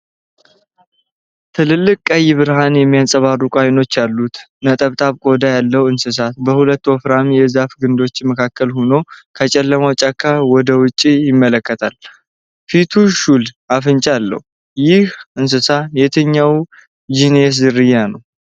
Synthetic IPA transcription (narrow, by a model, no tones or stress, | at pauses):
t̪ʰɨlɨlːɨkʼːajɪβɨɾhanjɛmːijasʼəβarːukʼajno̞t͡ʃːjalːut̪ | nət̪ʼəβt̪ʼaβkʼo̞d̪ajalːəwɨnsɨs̬at̪̚bəhulət̪ːwɔfɾamjɛzafɡɨnd̪o̞t͡ʃːməkʰakːəlhono̞kʰət͡ʃʼɛlːəmawt͡ʃʼakʰːawɔd̪əwʊt͡ʃʼːijɪmːələkːət̪ʰal | fit̪ʰuʃul | afɨnt͡ʃʼalːə̰hu | jɪhɨns̬ɨsajɛt̪ʰəɲːaw | d͡ʒines̬zɨrɨjːanəw